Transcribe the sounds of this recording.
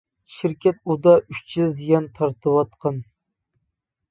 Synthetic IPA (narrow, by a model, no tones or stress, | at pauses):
ʃɪɾkʲʰɛt̪ud̪ɑʔyʃt͡ʃʰɪzijɑnt̪ʰɑɾt̪ʰɨwɑt̪qʰɑn